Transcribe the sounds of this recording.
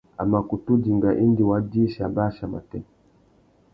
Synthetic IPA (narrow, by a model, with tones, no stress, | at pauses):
a̰˨ma˨ku˨tu˦d͡ʒi˨ŋɡa˨ʔi˦ndi˨wa˨di˦ʃa˨ba˦ʃa˨ma̰˨tɛ˦